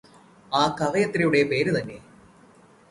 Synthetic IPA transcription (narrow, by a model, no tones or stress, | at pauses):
aːkɐʋɐjɐt̪ːɾɐjuɽe̞pe̞ːɾut̪ɐnːe̞